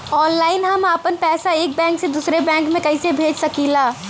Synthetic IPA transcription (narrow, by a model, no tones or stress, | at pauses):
ɔːnlaːɪnɦəməpənpɛːsaeːk̚bɛ̃ːŋksẽd̪usɾebɛ̃ːŋkmẽkəɪsebʱeːd͡ʒsəkilaː